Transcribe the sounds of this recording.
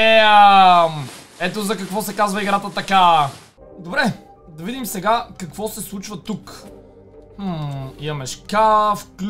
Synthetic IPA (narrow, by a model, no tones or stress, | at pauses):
ɛ | m | ɛt̪ozɐkɐkvɔsɛkazvɐiɡɾat̪ət̪ɐka | d̪obɾɛ | d̪ɐvid̪imsɛɡakɐkvɔsɛslˠut͡ʃvət̪uk | iɐmɛʃkafkl